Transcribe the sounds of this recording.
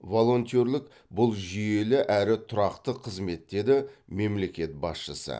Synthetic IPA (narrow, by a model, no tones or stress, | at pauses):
vo̞lˠo̞nt̪ʲoɾlʲˠɪk | bʊlˠʒʏje̞lɪʔæɾɪt̪ʰʊɾɑqt̪əqʰəzme̞t̪ːe̞d̪ɪme̞mle̞kʲe̞t̪̚bɑ̰sʃəsə̰